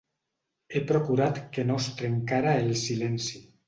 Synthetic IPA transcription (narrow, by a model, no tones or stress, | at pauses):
epɾokuɾat̪kenost̪ɾeŋkaɾaelsilɛnsi